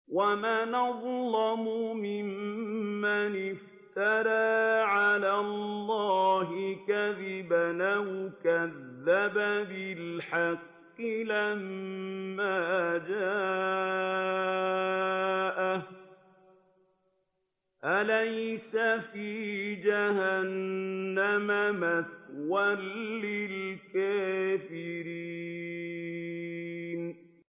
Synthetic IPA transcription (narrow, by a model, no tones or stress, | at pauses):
wamaːnɑðˤlɑmʊmɪmː | anɪf | t̪aɾaːʕalaːlːɑːɦɪkaðɪbanahʊkaðːababɪlħɑqː | ɪlamː | aːd͡ʒaː | ʔa | ʔalajsafiːd͡ʒahanːamamatwalːɪlkaːfɪɾi | n